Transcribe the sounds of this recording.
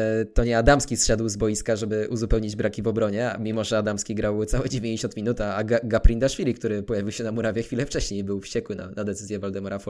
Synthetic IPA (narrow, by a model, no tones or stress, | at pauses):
t̪ɔɲɛad̪amskʲisɕad̪wzbɔjiskaʐɛbɘʔuzupɛwɲid͡ʑbɾakʲivɔbɾɔɲɛmʲimɔʐɛad̪amskʲiɡɾawt̪sawɛd͡ʑevʲẽɲd͡ʑeɕɔnt̪mʲinut̪aaɡaɡapɾʲind̪aʂfʲilʲikt̪uɾɘpɔjavʲiwɕɛnamɔɾavʲjɛxfʲilɛft͡ʂɛɕɲejbɘwfɕt͡ɕɛkwɘna̰nad̪ɛt̪sɘzʲjɛvɔld̪ɛmɔɾafɔ